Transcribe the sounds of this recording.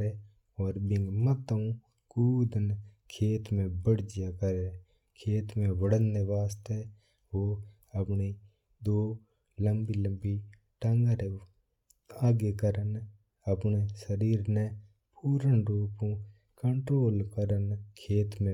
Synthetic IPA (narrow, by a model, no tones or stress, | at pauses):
e | ɔːɾbɪ̃ŋɡmət̪ːəũ | kuːd̪ənkʰeːt̪mẽbəɽd͡ʒɪjakəɾe | kʰeːt̪mẽʋəɽənːeʋaːst̪e | ʋo | əpni | d̪oː | ləmbilə̃mbi | ʈəŋɡəɾe | aːɡekəɾən | əpnesəɾiːɾne | puːɾənɾoːpũ | kəɳʈɾoːlkəɾənkʰeːt̪mẽ